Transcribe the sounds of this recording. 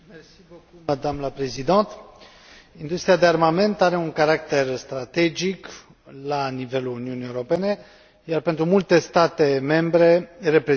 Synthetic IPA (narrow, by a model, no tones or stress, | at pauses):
mersivokuməd̪amləpɾe̞zid̪ant̪ | ind̪ust̪ɾiad̪e̞armame̞nt̪aɾe̞uŋkaɾakt̪e̞rst̪ɾat̪e̞d͡ʒik | lanive̞luluniunieuɾo̞pe̞ne̞ | jarpe̞nt̪ɾumult̪e̞st̪at̪e̞me̞mbɾe̞re̞pɾe